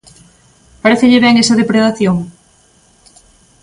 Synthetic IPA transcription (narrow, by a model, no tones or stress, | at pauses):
paɾeθɪʎɪβɛŋesɐðepɾeðaθjoŋ